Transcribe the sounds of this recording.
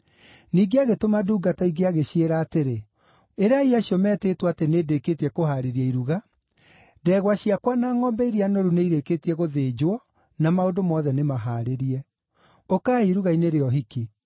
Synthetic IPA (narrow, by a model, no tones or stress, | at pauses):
niːɡeaɣetomaduːɡataiɡeaɣeɕieɾaːteɾe | eɾaiaɕiɔmɛːtetwateneːdekeːtiɛkohaɾeɾiaiɾuɣa | dɛːɣwaɕiakwanaːŋɔːmbɛiɾianoɾuneiɾekeːtiɛɣoðeːd͡ʒwɔ | namaondomɔːðɛnemaɦaːɾeɾiɛ | okaːiɾuɣaineɾeɔɦiki